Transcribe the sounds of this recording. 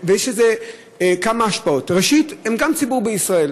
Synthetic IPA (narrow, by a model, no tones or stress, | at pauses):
vejeʃeze | kamaaʃpao̞tʁeʃithemɡamt͡sibubeisʁae̞l